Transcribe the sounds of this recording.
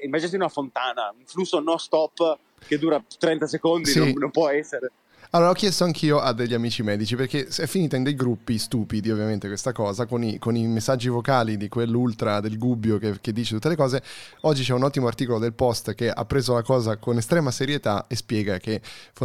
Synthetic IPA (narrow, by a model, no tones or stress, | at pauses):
imad͡ʒinat̪iunafont̪aːnauɱflusːonost̪ɔpː | ked̪uːɾat̪ːɾɛnt̪asekond̪isinompwɔɛsːeɾe | alːoːɾaɔkːjɛst̪oaŋk̟ʰiːoʔad̪eʎːamiːt͡ʃimɛːd̪it͡ʃiperkesɛfːiniːt̪aind̪ejɡɾupːist̪uːpid̪iovːjament̪ekwest̪akɔːzakonikonimesːad͡ʒːivokaːlid̪ikwelːult̪ɾad̪elɡubːjokeked̪ːiːt͡ʃet̪ut̪ːelekɔːzeɔd͡ʒːit͡ʃɛunɔt̪ːimoart̪iːkolod̪elpɔst̪k̟eʔa̰pːɾeːzolakɔːzakonest̪ɾɛːmaseɾjet̪aespjɛːɡakef